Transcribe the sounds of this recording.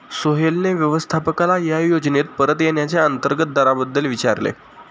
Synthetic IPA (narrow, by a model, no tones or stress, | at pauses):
soɦelneʋjəʋəst̪ʰapəkalajajod͡znet̪̚pəɾət̪jeɳjat͡sjaənt̪əɾɡət̪̚d̪aɾabəd̪ːəlʋit͡ɕaɾlḛ